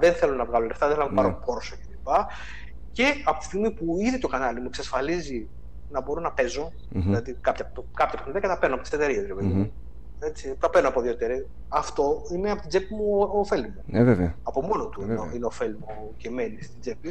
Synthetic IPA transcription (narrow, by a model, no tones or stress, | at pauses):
ðenθe̞lo̞nɐvɣɐlo̞left̪ɐðeθelonɐmupɐɾopo̞ɾosocelipɐ | ce̞ɐpo̞t̪i̥siɣmipuiðit̪o̞kɐnɐlimueksɐsfɐlizi | nɐbo̞ɾo̞nɐpe̞zo̞ | ilɐðikɐpçɐp̪kɐpçɐpexniðiɐkɐt̪ɐpeɾnɐpot̪iset̪eɾiezɾepeðimu | et͡sit̪ɐpeɾnoɐpoðjoet̪eɾi | ɐft̪o̞ineɐpo̞t̪id͡zepimuofe̞lmueveveɐpo̞mo̞not̪uioineofelmu | ceme̞nist̪id͡ze̞pi